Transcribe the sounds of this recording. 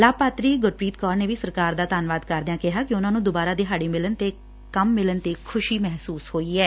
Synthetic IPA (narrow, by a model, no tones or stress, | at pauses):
laːpaːt̪ɾiːɡʊɾpɾiːt̪kɔːɾneːʋiːsəɾkaːɾd̪aːt̪aːnʋaːd̪kəɾd̪jãːkɪɦaːkɪʊnãːnũːd̪ʊbaːɾaːd̪eːɦaːɽiːmɪlənt̪eː | kəmːɪlənt̪eːkʰʊʃiːmɛɦsuːshoːiːɛː